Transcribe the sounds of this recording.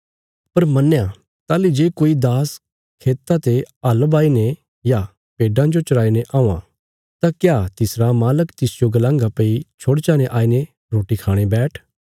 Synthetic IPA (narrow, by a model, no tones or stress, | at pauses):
pɐɾmɐnːja | t̪aːlid͡ʒeːkoːid̪aːs | kʰeːt̪ːat̪eəlbaːine | ja | peːɖãd͡ʒot͡ʃɐɽaːineʔaːũã̰ | t̪akjaːt̪ɪsɾamaːləkt̪ɪsd͡ʒoɡɐlãːŋɡapeit͡ʃʰoːɽt͡ʃaːneʔaːine | ɾoːʈikʰaːɽ̃ebɛːʈʰ